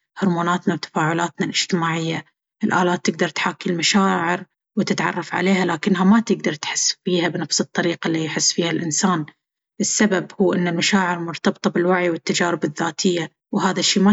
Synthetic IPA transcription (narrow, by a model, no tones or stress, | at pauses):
hʊɾmuːnaːt̪nawt̪ḁfaːʕʊlaːt̪nalʔɪd͡ʒ̥t̪ɪmaːʕɪjːa | ʔɪlʔaːlaːt̪ːɪɡ̚d̪ɑɾˤt̪ħaːkːilmaʃaːʕɪɾ | wɪt̪ɪt̪ʕɑ̰rˤːɑfʕa̰leːhalaːkɪnːɦamat̪ɪɡd̪ɑɾˤt̪ħɪsːfiːhabnafsɨt̪ˤːɑɾiːqalːijħɪsːfiːhalʔɪnsaːn | ʔɪsːababhuːʔɪnːɪlmaʃaːʕɪɾmʊɾt̪ɑbt̪ˤɑbɪlwaʕjwɪt̪ːad͡ʒaːɾɪbɪðːaːt̪ʰɪjːa | wɦaːðaʃːiːma